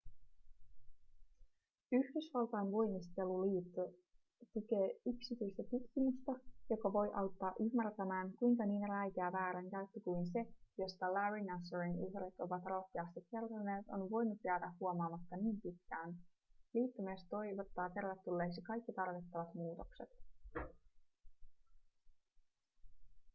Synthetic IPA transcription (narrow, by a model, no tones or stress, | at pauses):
yhdysʋɑlt̪ɑjnʋo̞jmist̪e̞luliːt̪ːo | t̪uk̟e̞ːyksit̪yjst̪æt̪ut̪k̟imyst̪ɑjo̞kɑʋo̞jʔɑwt̪ːɑːʔymːært̪æmæːnkujŋkɑniːnelæjk̪eæʋæːɾæŋkæyt̪ːøkujnse̞jo̞st̪ɑlæɹinæsoɹiŋuhret̪o̞ʋɑt̪ro̞hkːeɑst̪ikːe̞rt̪ɑne̞ːt̪o̞nʋo̞jnut̪jæːd̪æhːuomɑːmɑt̪ːɑniːmpit̪k̟æːn | liːt̪ːymeːst̪t̪o̞jʋot̪ːɑːt̪e̞rʋet̪ːulːeːksikɑjkːit̪ɑrʋit̪ːɑʋɑt̪muːt̪o̞kse̞̰t̪